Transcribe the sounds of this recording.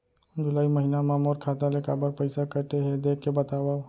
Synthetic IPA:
d͡ʒʊlaːimɐɦinamãmɔːɾkʰaːt̪alekaːbəɾpəɪsakɐɾt̪eɦɛd̪eːkʰːebɐt̪aːwa

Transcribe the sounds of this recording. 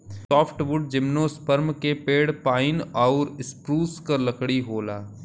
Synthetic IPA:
sɔːpʰʈʋʊɖ̚d͡ʒɪmnoːspəɾmkepeːɽpaːɪnɔːɾɪspɾuːskɐɾlɐkɽiɦoːla̰ː

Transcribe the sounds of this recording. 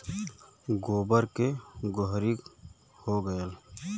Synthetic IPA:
ɡoːbəɾkeɡʊɦɾik | hoɡəjəl

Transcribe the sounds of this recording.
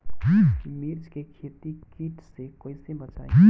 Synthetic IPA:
imiɾd͡ʒkekʰet̪ikiːʈʰsekoɪsebɐt͡ʃa̰ːe

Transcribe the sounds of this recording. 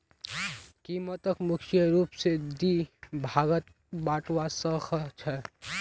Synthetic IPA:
kimət̪əkmukʰjəɾupsed̪ibʱaɡət̪̚ | baʈwasəkʰt͡ʃʰɛ

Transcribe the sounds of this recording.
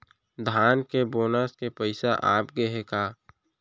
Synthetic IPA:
d̪ʱaːnkeboːnaskepəɪsaʔa̰ːpɡeɦekaː

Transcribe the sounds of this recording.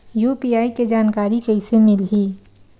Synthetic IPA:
juːpiːaːiked͡ʒaːnkaːɾikɛɪsemɪlɦiː

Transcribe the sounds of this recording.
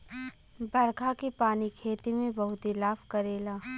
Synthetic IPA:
bɐɾkʰakepaːnikʰeːt̪imẽbɐɦʊt̪ilaːfkɐɾeːlaː

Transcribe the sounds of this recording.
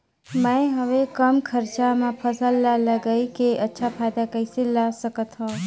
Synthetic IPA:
mə̃ɦəʋekəmkʰəɾt͡ʃamãpʰəsəlːaləɡəikeʔətːʃʰapʰaːjd̪akəɪselasəkət̪ɦõː

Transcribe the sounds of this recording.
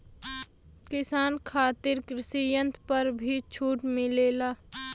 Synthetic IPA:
kɪsaːnkʰaːt̪ɪɾkɾɪsijənt̪ʰpəɾbʱit͡ʃʰuːʈmɪleːlaː

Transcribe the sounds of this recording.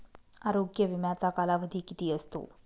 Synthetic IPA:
aɾoɡjəʋimjat͡sakalaʋəd̪ʱiːkit̪iːəst̪o̰

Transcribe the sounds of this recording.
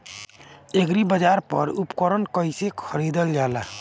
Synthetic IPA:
eɡɾibəd͡ʒaːɾpə̰ɾupkəɾənkəɪsekʰəɾid̪əld͡ʒaːlaː

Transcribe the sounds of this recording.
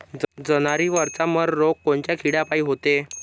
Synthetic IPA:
d͡zənaɾiːʋəɾt͡saməɾːokːoɳt͡ɕjakʰiɽapaiːɦot̪e

